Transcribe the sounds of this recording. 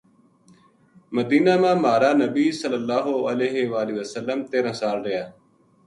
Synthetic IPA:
məd̪iːnaːmãːmaːɾaːnəbiːsələlːaːɦoəleːɦeʋaːliːʋəsəlːəmt̪eːɾãːsaːlɾɪjaː

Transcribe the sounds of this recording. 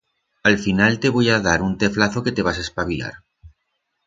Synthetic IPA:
alfinalt̪e̞βo̞jaðaɾunt̪e̞flaθoke̞t̪e̞βasaespaβia̰ɾ

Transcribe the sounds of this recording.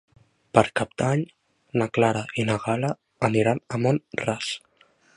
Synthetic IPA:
pəɾkab̚d̪̥aɲ | naklaɾaʔinəɣaləː | niɾanəmonras

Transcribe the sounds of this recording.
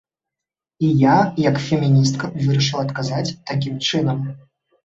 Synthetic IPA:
ijajɐkfʲɛmʲinʲist̪kɐvɨɾɐʂɨlˠɐt̪kazat͡sʲt̪akʲimt͡ʂɨnɐm

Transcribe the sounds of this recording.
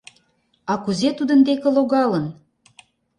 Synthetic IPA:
ɑkuzet̪ud̪ənd̪ekə̆loɣɑlən

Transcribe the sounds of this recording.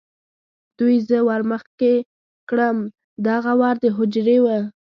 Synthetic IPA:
d̪̥ujzəwaɾməxke | kɽəm | d̪aɣawɑɾd̪əɦʊd͡ʒɾewə

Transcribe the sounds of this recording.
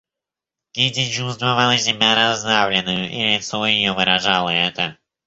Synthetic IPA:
ɡʲidʲɪd͡ʒuzd̪vɐvalˠəzʲɪmʲaɾɐzd̪avlʲɪnːɨjʊʔilʲɪt̪sojɪjovɨɾɐʐalˠəɛt̪ə

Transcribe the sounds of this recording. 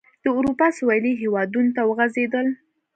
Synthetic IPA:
d̪̥əuɾupɑsuwɑliɦewɑd̪unot̪awəɣazed̪əl

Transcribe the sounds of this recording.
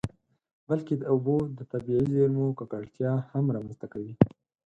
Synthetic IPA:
balked̪əʊbod̪ət̪abiʕizeɾmokakaɽt̪jɑhamɾɑmanst̪akawi

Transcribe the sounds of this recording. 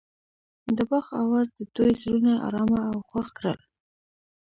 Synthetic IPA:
d̪əbɑxawɑzd̪əd̪̥ojzɾunaʔɑ̰ɾɑmaawxwaxkɾə̰l

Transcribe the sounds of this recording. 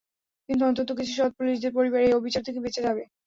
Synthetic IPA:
kint̪̬uɔnt̪ot̪okit͡ɕʰuʃɔd̪̚puliʃd̪eɾpoɾibaɾejobʱit͡ɕaɾt̪ʰekebet͡ɕed͡ʑabe

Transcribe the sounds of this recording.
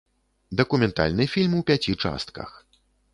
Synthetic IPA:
d̪ɐkumʲɛnt̪a̰lʲnɨfʲilʲmuwpʲat͡sʲit͡ʂa̰st̪̚kɐ̰x

